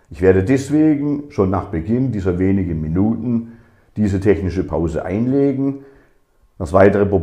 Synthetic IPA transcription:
ʔɪçv̥eːɐdədɛsv̥eːɡŋn̩ʃoːnːaːχb̥əɡɪndiːzɐveːnɪɡənminuːtn̩ | d̥iːzətʰɛçnɪʃəpʰa̰ʊzə̰ʔa̰ɪnleːɡŋ̩ | d̥asv̥aɪtəʁəpʁo

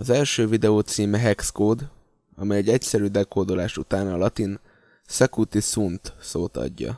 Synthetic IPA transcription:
ɒzɛlʃøːvid̪ɛoːt̪siːmɛɦɛkskoːd̪ | ɒ̰mɛjɛɟɛcsɛɾyːd̪ɛkoːd̪olaːʃut̪aːnɒlɒt̪in | sɛkut̪isunt̪soːt̪ɒ̰ɟːɒ̰

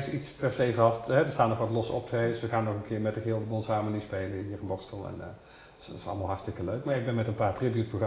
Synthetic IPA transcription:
sitspɛɹsejvɑstɦɛdəɹstaːnɔxʋɑtlɔsɔ̰p̚tʰesʋəxaːnːɔxənkʰɪːɹmɛt̚dəɣɪːlˠdəbɔnsaːmənispejləɦiːərənbɔxstəlˠɛ̰n | sɪsɑ̰lˠmaːlˠɦɑɹtstɪkəløɥk̚maːɪɡ̚bɛnmɛtənpaːtribjut̚proxr

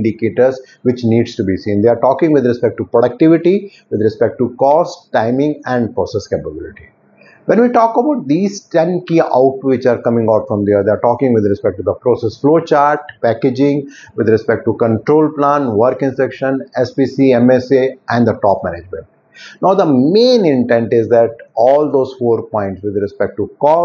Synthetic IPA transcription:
ɪ̃ɳɖikeːʈəɾz | ʋɪt͡ʃniːɖsʈubisĩːnd̪eaɾʈɔːkɪ̃ŋɡʋɪd̪ɾɪspɛk̚ʈːupɾoɽɐk̚ʈɪʋɪʈi | ʋɪd̪ɾɛspɛk̚ʈukɔːsʈʈãɪ̃mɪ̃ŋɡɛ̃ɳɖpɾoːseskeːpəbɪlɪʈi | ʋɛ̃nʋiːʈɔːkəbaʊʈ̚d̪iːzʈɛ̃nkiːa̰ʊʈʋɪt͡ʃaːɾkʌmɪ̃ŋɡaːʈfɾɔ̃md̪eəɾd̪eaɾʈɔːkɪ̃ŋɡʋɪd̪ɾɛspɛk̚ʈːud̪əpɾoːsesfloːt͡ʃaːɾʈpæked͡ʒɪ̃ŋ | ʋɪd̪ɾɛspɛk̚ʈ̚ʈukə̃ɳʈɾoːlplãːnʋəɾkɪ̃nsɛkʃə̃nɛspiːsiːɛ̃meseʔɛ̃ɳɖd̪əʈɔːpmæ̰ned͡ʒmɛ̰̃ɳʈ | naʊd̪əmẽːnɪ̃ɳʈɛ̃ɳʈɪzd̪æʈɔːld̪oːzfoːɾpɔ̃ɪ̃ɳʈsʋɪd̪ɾɛspɛk̚ʈʈukɔː

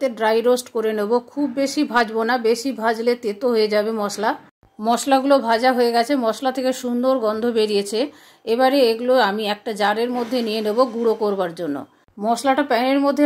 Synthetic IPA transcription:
t̪eɖɾajɾosʈkoɾenebokʰubːeʃibʱad͡ʑbonabeʃibʱad͡ʑlet̪et̪oɦoed͡ʑabemɔʃla | mɔʃlaɡulobʱad͡ʑaɦoeɡɛt͡ɕʰemɔʃlat̪ʰekeʃund̪oɾɡɔnd̪ʱobeɾijet͡ɕʰe | ebaɾeeɡuloamiɛk̚ʈad͡ʑaɾeɾmod̪ʱːenijeneboɡuɽokoɾbaɾd͡ʑonːo̰ | mɔʃlaʈapɛneɾmod̪ʱːe

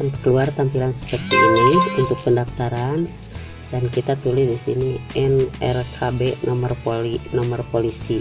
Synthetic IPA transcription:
ankəluart̪ampilansə̥pərt̪iiniunt̪ʊk̚pəndaft̪aɾan | dankit̪at̪ulɪsdisḭniɛnɛ̰rkʰabɛnʔɔmərpolinɔmərpolisi

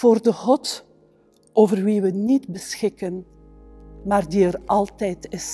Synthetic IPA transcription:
v̥oːrdəɣɔt | ʔoːvərʋiʋənidbəsxɪkən | maːrdiəɾɑlˠtɛjtɪs

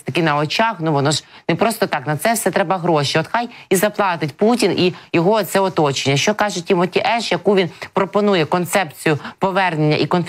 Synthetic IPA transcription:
t̪ɐkɪnɐɔt͡ʃɑxnuʋɔnɔʒnepɾɔst̪ɔt̪ɑknɐt̪sɛwsɛt̪ɾɛbɐɦɾɔʃiɔt̪xɑjizɐplˠɑt̪ɪtʲputʲinʔijɔɦɔːt̪sɛɔt̪ɔt͡ʃenʲːɐʃt͡ʃɔkɑʒʊtʲːimɔtʲiʔɛʃjɐkuʋʲinpɾɔpɔnujɛkɔnt̪sɛpt͡sʲijʊpɔʋɛrnenʲːɐ̰ʔikɔnf

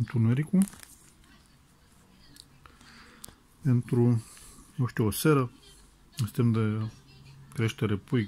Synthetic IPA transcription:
nt̪unɛɾiku | ɛnt̪ɾu | ɔʃt̪ɛosɛɾɐ | st̪ɛmd̪ɐ | kɾɛʃt̪ɐɾɛpui

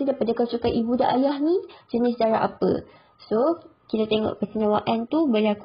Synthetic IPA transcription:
idajpadakawsukaʔibuda̰ʔajahnĩd͡ʒənɪs̬daɾaʔa̰pə̰ | so | kit̪at̪eŋɔ̰ʔpəsəɲãwaʔant̪ubəlak

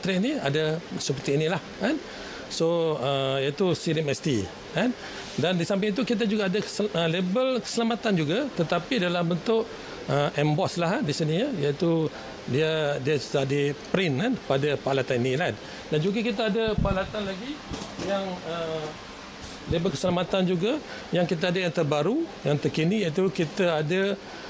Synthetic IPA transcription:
t̪ɾeʔniadasəpət̪iːnĩlahkan | soəjat̪usiɾimɛst̪i | an | dandisampɪit̪̬ukit̪̬ad͡ʒuɡaːdaəlebəlkə̥səlamat̪and͡ʒuɡat̪ət̪apidalambənt̪ʊʔ | ʔəʔɛmbɔslaɦadisinijait̪u | diədiaadipɾɪnkanpadapalat̪aninilan | dand͡ʒuɡakit̪aːdəpalat̪anlaɡijaŋə | lebəlkə̥səlamat̪and͡ʒuɡa | jaŋkit̪̬aadajaŋt̪ərbaɾujaŋt̪ərkinijait̪̬ukit̪aada

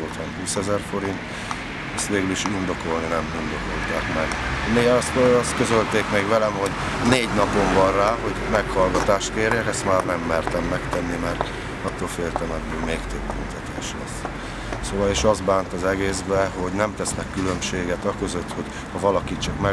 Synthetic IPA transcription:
oːt̪ʰɒnhuːsɛzɛrfo̞ɾint̪ | ɛst̪ʋeːɡyliʃind̪o̞ko̞lninɛmind̪o̞ko̞lt̪aːkmɛɡmeːst̪ɒst̪kø̞zølt̪eːkmeːɡʋɛlɛmɦo̞ɟ | neːɟnɒpo̞ɱvɒnraːɦo̞ɟmɛkhɒlɡɒt̪aːʃt̪̚keːrjɛkɛst̪maːrnɛmːɛrt̪ɛmːɛkt̪ɛnːimɛrt̪ | ɒt̪ːoːlfeːlt̪ɛmɛnmeːmeːkt̪øbːy̰nt̪ʰɛt̪eːʃlɛ̰s | soːvɒleːʃɒzd̪baːnt̪ɒzɛɡeːzbɛɦo̞ɟnɛmt̪ɛsnɛkːylø̞mʃeːɡɛt̪ɒkø̞zøt̪ho̞ɟ | hɒvɒlɒkit͡ʃɒkmɛ

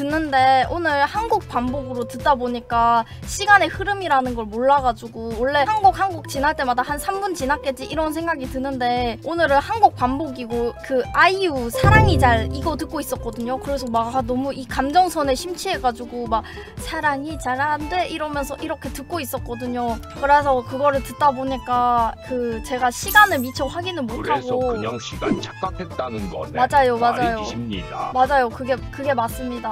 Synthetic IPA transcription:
tɯnːɯnde̞onɯɭhanɡuk̚p͈amboɡɯɾotɯtt͈aboɲik͈a | ɕ͈ʰiɡane̞hɯɾɯmiɾanɯnɡʌɭmoɭːaɡad͡ʑuɡowʌɭːe̞hanɡuk̚hanɡuk̚t͡ɕinɦaɭt͈e̞madahansʰamɡunt͡ɕinak͈e̞d͡ʑiʔiɾʌnsʰeŋɡaɡitɯnɯnde̞onɯɾɯhanɡuk̚p͈amboɡiɡokɯaiusʰaɾaŋit͡ɕaɾiɡʌtɯk͈̚ois͈ʌk͈ʌdɯɲokɯɾe̞s̬ʰʌmaɡanʌmuikamd͡ʑʌŋsʰʌne̞ɕʰimt͡ɕʰie̞ɡad͡ʑuɡomak̚ | sʰaɾaŋit͡ɕaɭande̞ʔiɾʌmjʌnsʰʌʔiɾʌkʰe̞tɯk̚k͈ois͈ʌt̚k͈ʌdɯɲo | kɯɾe̞sʰʌkɯɡʌɾɯɭtɯt͈aboɲik͈akɯt͡ɕe̞ɡaɕʰiɡanɯɭmit͡ɕʰʌɦaɡinɯnmotʰaɡoɕʰiɡaɲit͡ɕak̚k͈akʰet̚t͈anɯnɡʌ̰mad͡ʑajomad͡ʑajoɲidamad͡ʑajokɯɡe̞kɯɡe̞mas͈ɯmɲida

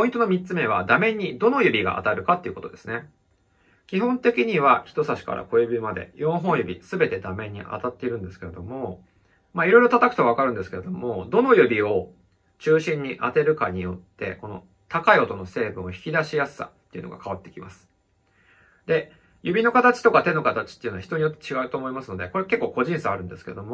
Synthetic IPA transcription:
po̞ĩnt̪onomʲit̪t͡sɨme̞β̞ad̪amẽ̞ɲ̟ʲːid̪o̞no̞jɯ̟bʲiɡa̰ʔa̰t̪aɾɯ̟kat̪ːeiɯ̟ko̞t̪o̞d̪e̞sɨne̞ | kʲiɦõ̞nt̪e̞kʲiɲ̟iβaçi̥t̪o̞saɕi̥ka̰ɾa̰ko̞jɯbʲimad̪e̞̰jõ̞ɰ̃ɦõ̞jɯ̟bʲḭsɨbe̞t̪e̞d̪amẽ̞ɲ̟ːḭʔa̰t̪at̪ːe̞iɾɯ̟̃nd̪e̞sɨ̥ke̞ɾe̞d̪o̞mo̞ | maiɾo̞ijɾo̞t̪at̪akɯ̟̥t̪oaβakaɾɯ̟nd̪sɨ̥ke̞ɾe̞d̪omo̞d̪o̞no̞jɯ̟bʲio̞ | t͡ɕɨːɕĩɲ̟ːiʔat̪e̞ɾɯ̟kaɲ̟ijo̞t̪ːe̞̰ko̞no̞̰ | t̪akaio̞t̪o̞no̞se̞ːbɯ̟̃ɰ̃o̞çi̥kʲid̪aɕijasɨ̥ːa̰tt̪ːeiɯ̟no̰ɡa̰kaβat̪ːe̞̥kʲimasɨ̥ | d̪e̞ | jɯbʲino̞kat̪at͡ɕi̥t̪o̞kat̪e̞no̞kat̪at͡ɕi̥t̪ːe̞i̟noaçi̥t̪oɲijo̞t̪ːet͡ɕiɡaɯ̟t̪o̞ːmoimasɨno̞d̪e̞ko̞ɾeake̞kːo̞ːko̞ʑĩɰ̃saaɾɯ̟̃nd̪e̞sɨ̥ke̞e̞d̪o̞mo

